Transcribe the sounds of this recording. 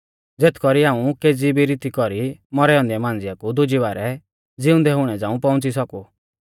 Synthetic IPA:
d͡zeːt̪ʰkɔɾiaːũkeːd͡zibiɾit̪ikɔɾimɔɾɛɔ̃nd̪ɛmãːnd͡zɪjakud̪ʊd͡ʒiʋaːɾɛ | d͡zɪʊ̃nd̪ɛɦʊɽ̃ɛd͡zãːũpɔ̃ʊ̃nt͡sisɔku

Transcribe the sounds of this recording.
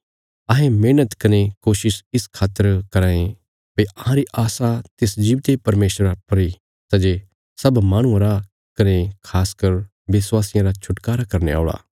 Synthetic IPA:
ɐɦẽmeːnət̪kɐnekoːʃɪsɪskʰaːt̪əɾkɐɾãːẽ | peʔɐɦãɾiʔaːsat̪ɪsd͡ʒiːʋt̪epɐɾmeːʃɾapɐɾi | sɐd͡ʒe | sɐbmãːɽ̃ũãɾa | kɐnekʰaːskɐɾ | ʋɪswaːsɪjãɾat͡ʃʰʊʈkaːɾakɐɾnḛa̰ːɭa̰ː

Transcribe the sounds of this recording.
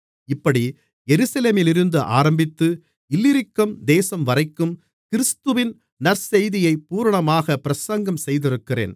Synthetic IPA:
ɪpːɐɽi | jɛɾɯsɐleːmɪlɪɾɯnd̪ɯʔa̰ːɾɐmbɪt̪ːɯ | ɪlːɪɾɪkːɐmd̪eːsɐmʋɐrɐɪkːɯm | kɪɾɯst̪ɯʋɪn | nɐɾsɛjðɪjɐɪpːuːɾɐɳɐmaːɣɐpɪɾɐsɐŋɡɐmsɛjðɪɾɯkːɪrḛːn

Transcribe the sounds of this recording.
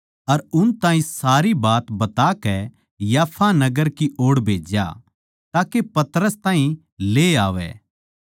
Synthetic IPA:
ɐɾʊnt̪ãːĩsaːɾibaːt̪bɐt̪akɛ | jaːpʰanɐɡəɾkiʔoːɽbʱeːd͡ʒja̰ | t̪aːkepɐt̪əɾəst̪ãːɦĩ | leːaːʋɛ̰ː

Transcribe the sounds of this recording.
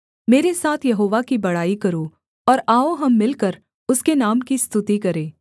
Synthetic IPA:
meːɾesaːt̪ʰjɐɦoːʋakibɐɽaːikɐɾo | ɔːɾaːoɦɐmːɪlkəɾ | ʊskenaːmkist̪ʊt̪ikɐɾẽː

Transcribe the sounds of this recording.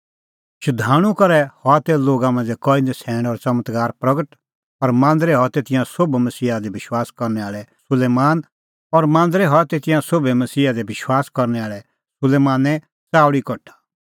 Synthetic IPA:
ʃʰʊd̪ʱaːɽ̃ũkɐɾɛhɔat̪ɛloːɡamãːnd͡zɛkɔːinɛsʰɛ̃ːɽ̃ɔɾt͡sɐmət̪ɡaːɾpɾɐɡəʈ | ɔɾmãːnd̪ɾɛɦɔt̪ɛt̪ɪ̃jãsobmɐsiːad̪ɛbɪʃwaːskɔɾnɛaːɭɛsʊleːmaːn | ɔɾmãːnd̪ɾɛɦɔt̪et̪ɪjãsobɛmɐsiːad̪ɛbɪʃwaːskɔɾnɛaːɭɛ | sʊleːmaːnɛ | t͡saːɽikɔʈʰḁ

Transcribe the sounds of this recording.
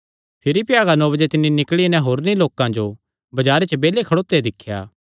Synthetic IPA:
pʰɪɾipɪjaːɡanɔːbəd͡ʒet̪ɪnːinɪkɭinɛ̃ɦoːɾniloːkãd͡ʒo | bɐd͡ʒaːɾet͡ʃəbeːlekʰɐɽoːt̪ːed̪ɪkʰːja̰ː

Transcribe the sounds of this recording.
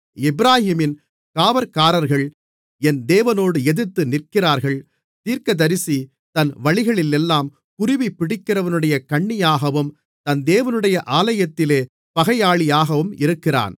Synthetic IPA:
ɪbɪɾaːhiːmɪn | kaːʋɐɾkaːɾɐɾɣɐɭ | ɛnd̪eːʋɐnoːɽɯɛðɯt̪ːɯnɪrkɪraːɾɣɐɭ | t̪iːɾkɐd̪ɐɾɪsi | t̪ɐnʋɐɭɪɣɐɭɪlɛlːaːm | kʊrɪʋipːɪɽɪkːɪrɐʋɐnɯɽɐjɐkɐɳːɪjaːɣɐʋɯm | t̪ɐnd̪eːʋɐnɯɽɐjɐʔaːlɐjɐt̪ːɪleː | pɐɣɐjaːɭɪjaːɣɐʋɯmɪɾɯkːɪra̰ːn

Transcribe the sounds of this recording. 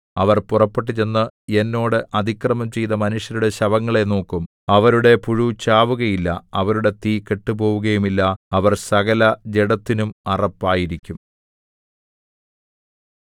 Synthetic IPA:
ɐʋɐrpurɐpːeʈ̬ːit͡ɕe̞nːɨe̞nːo̞ːɽɨʔɐd̪ʱikrɐmɐmt͡ɕe̞jt̪ɐmɐnuʂjɐɾuɽe̞ɕɐʋɐŋːɐɭe̞no̞ːkːum | ɐʋɐɾuɽe̞puɻut͡ɕaːʋuɣɐjilːɐɐʋɐɾuɽe̞t̪iːkːeʈːupo̞ːʋuɣɐjumilːɐɐʋɐrsɐɣɐlɐd͡ʑeɽɐt̪ːinumɐrɐpːaːjiɾikʲːum

